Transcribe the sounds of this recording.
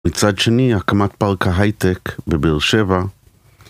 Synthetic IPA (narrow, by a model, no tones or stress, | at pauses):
it͡sad̪ʃeniakamat̪̚palkaɦajt̪ekbebilʃeva